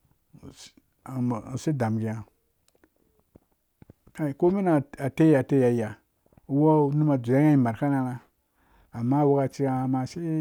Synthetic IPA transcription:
si˦da˨mɡi˨ja˨ | a˦˨ko˦mi˦na˨a˨te˦ja˨te˦ja˨i˦ja˨˦ | wo˦ni˦ma˨d͡zu˨a˦a˦i˨ma˨ɾka˦na˨na˨ | a˨mːa˦wu˦ka˨t͡ʃi˦a˦a˨ma˨ʃi˦

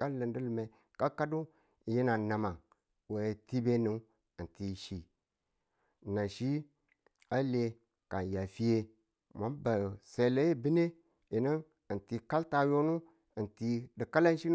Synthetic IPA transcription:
ka˦lə˨ndi˦lu˨me˨ | ka˦ka˦du˦ | i˨ji˦na˨na˨ma˨ŋ | we˨e˨ti˦be˦ni˨ | i˨nti˨ʃi˨ | na˨ʃi˦ | a˦le˨ | ka˨n˨ja˨fi˦je˦ | ma˨˦ba˨se˨la˦ji˦bi˦ne˦ | i˨ni˦n | i˨nti˨ka˦lta˨jo˦nu˦ | i˨nti˨di˨ka˦la˦n˦ʃi˦n˦

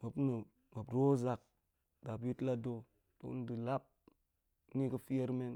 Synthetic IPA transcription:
ma˨pna˨ | mba˨bɾo˦za˨k̚ | da˨bi˦tla˦do˦ | to̰˨ṵ˦n˦di˨la˦p̚ | ni˦kə˦fi˦je˦ɾme˦n

